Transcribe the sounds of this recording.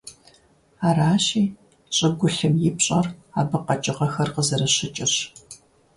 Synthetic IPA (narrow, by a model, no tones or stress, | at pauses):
aːraːɕiː | ɕʼɐɡʷʊɬɨmjɪpɕʼɐraːbɨqɐt͡ʃʼɪʁɐxɐrqəzɐɾɐɕɪt͡ʃʼɪɕ